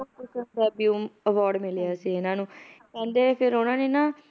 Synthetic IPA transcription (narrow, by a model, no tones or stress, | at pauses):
ʊkʊsənbɛːbjuːəʋɔːɾɖmɪljaːsiːɪnãːnũːkɛ̃ːnd̪eːpʰɪɾoːnãːneːnaː